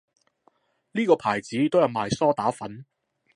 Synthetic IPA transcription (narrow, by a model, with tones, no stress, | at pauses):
liː˥kɔː˧pʰaː˨˩jt͡siː˨˥t̪o˥wjɐ˨˧wmaː˨˩jsɔː˥t̪aː˨˥fɐ˨˥n